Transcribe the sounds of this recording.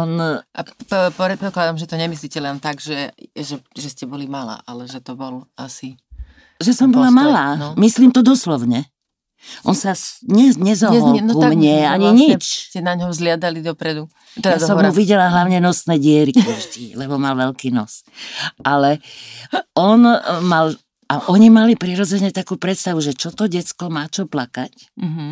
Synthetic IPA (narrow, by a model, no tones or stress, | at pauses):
ɔnʔapɾɛt̪̚pɔklad̪amʒɛt̪ɔɲɛmis̬liːcɛlɛnt̪aɡʒɛʒɛʒɛscɛbɔlimala̰ːʔalɛʒɛt̪ɔbɔlasi | ʒɛsɔmbɔlamalaːnmisliːmt̪ɔd̪ɔslɔʊɲɛ | ʔɔ̰nsasɲɛɲɛzɔɔlumɲɪɛaɲiɲit͡ʃcɛnaɲɦɔzlɪad̪alid̪ɔpɾɛd̪u | jassɔmuʋiɟɛlaɦlaʊɲɛnɔsnɛːɟɪɛɾikaʒd̪ilɛbɔmalʋɛlkiːnɔ̰sʔalɛ | ɔnmal | aʔɔɲimalipɾiɾɔd͡zɛɲɛt̪akuːpɾɛt̪st̪aʋuʒɛt͡ʃɔt̪ɔɟɛt̪t͡skɔmaːt͡ʃɔplakac | ɦ